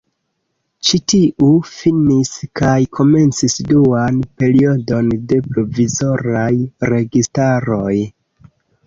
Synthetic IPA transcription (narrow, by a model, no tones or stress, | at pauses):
t͡ʃitiʔufiniskajkʰo̞me̞nt͡sisduanpe̞ɾio̞do̞nde̞pɾo̞vizo̞ɾajɾe̞ɡistaɾo̞j